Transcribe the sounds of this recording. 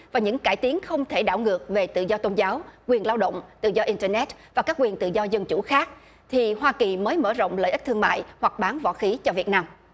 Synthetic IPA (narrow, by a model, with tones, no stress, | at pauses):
vaː˨˩ɲɨ̰˧˥ŋkaː˧˩jt̪i˨˦əŋxə˧wŋ͡mt̪ʰe˧˩ɗaː˧˩wŋɨ˨˩ək̚ve˨˩t̪ɨ̰˧˨zɔ˧t̪o˧nzaː˨˦wkwi˨˩ənlaː˧wɗə̰˧˨wŋ͡mt̪ɨ̰˧˨zɔ˧ʔi˧ntəː˧nɛ˦˥t̚vaː˨˩kaː˦˥k̚wi˨˩ənt̪ɨ̰˧˨zɔ˧zə˧nt͡ɕṵ˧˩xaː˦˥k̚ | t̪ʰi˨˩ɦwaː˧ki˨˩məː˨˦jmə̰ː˧˩zə̰˧˨wŋ͡mlə̰ː˧˨jʔi˦˥k̚t̪ɨ˧əma̰ː˧˨jhwa˨˩k̚ɓaː˨˦nvɔ̰˧˨xi˨˦t͡ɕɔ˧vi˨˩ət̚naː˧m